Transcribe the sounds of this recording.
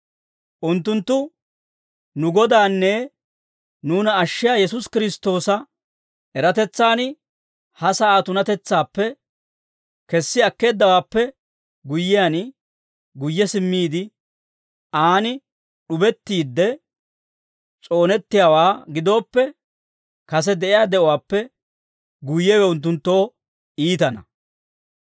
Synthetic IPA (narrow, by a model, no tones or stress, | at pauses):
ʔʊnt̪ːʊnt̪ːʊ | nʊɡɔd̪aːnːɛ | nuːnɐːʃːɪjaːjɛsʊskɪɾɪst̪o̞ːsɐ | ʔɛɾɐt̪ɛt͡sːaːn | hɐsɐaːt̪ʊnɐt̪ɛt͡sːaːpːɛ | kɛsːɪɐkːe̞ːd̪ːɐwaːpːɛ | ɡʊjːɪjan | ɡʊjːɛsɪmːiːd̪ɪ | aːnɪ | ɗʊbɛt̪ːiːd̪ːɛ | t͡sʼo̞ːnɛt̪ːɪjaːwaːɡɪd̪o̞ːpːɛ | kɐs̬ɛd̪ɛʔɪjad̪ɛʔɔwaːpːɛ | ɡʊjːɛwɛʊnt̪̬ːʊnt̪ːo̞ː | iːt̪ɐnɐ̰